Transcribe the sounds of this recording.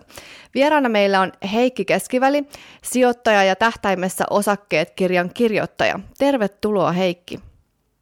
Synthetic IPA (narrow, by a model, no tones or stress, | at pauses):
ʋieɾɑːnːɑme̞jlːæo̞nɦe̞jkːik̟e̞skiʋælisio̞t̪ːɑjɑjɑt̪æht̪æjmːesːæ̰ʔo̞sɑkːe̞ːt̪kirjɑŋkirjo̞̰t̪ːɑ̰jɑ̰t̪e̞rʋet̪ːulo̞ːɦe̞jkːi